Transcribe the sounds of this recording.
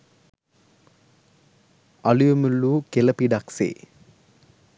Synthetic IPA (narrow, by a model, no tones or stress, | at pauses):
ɐlujemulːuːkelɐpiɖaksḛː